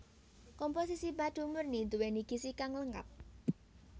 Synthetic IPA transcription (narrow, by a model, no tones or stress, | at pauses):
kɔmpos̬isibad̪̥ṳmərnind̪uweniɡ̥isikaŋləŋka̰p̚